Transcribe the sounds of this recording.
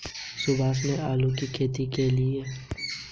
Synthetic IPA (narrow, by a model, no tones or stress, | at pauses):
sʊbaːs̬neʔaːlukikʰeːt̪ikeliɛː